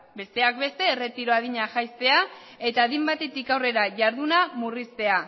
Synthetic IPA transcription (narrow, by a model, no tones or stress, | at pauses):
be̞st̪e̞ak̚be̞st̪e̞ːre̞t̪iɾo̞að̞iɲaʝajst̪e̞a | e̞t̪aðimbat̪e̞t̪ikawre̞ɾaʝaɾðunamurist̪e̞a